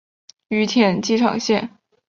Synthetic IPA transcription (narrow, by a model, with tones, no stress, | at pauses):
y˧˥t̪ʰjɛ˨˩nt͡ɕi˥ʈ͡ʂʰɑ̰˨˩ŋɕjɛ˥˩n